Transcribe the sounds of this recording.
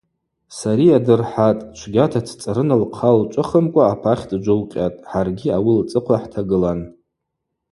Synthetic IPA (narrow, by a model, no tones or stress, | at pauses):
saɾiadɨrħatʼt͡ʃʷʰɡʲatʰatʰt͡sʼaɾɨnalqʰalt͡ʃʷʼɨχəmkʷʼaːpʰaχʲdd͡ʒʷʊlqʲʼatʼħarɡʲiawilt͡sʼɨqʷʰaħtʰaɡɨlan